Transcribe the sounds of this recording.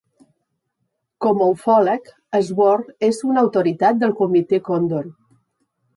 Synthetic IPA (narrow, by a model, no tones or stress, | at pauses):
kɔməwfɔlək | əzβɔɾezunəwt̪uɾit̪at̪̚d̪əlˠkumit̪ekond̪on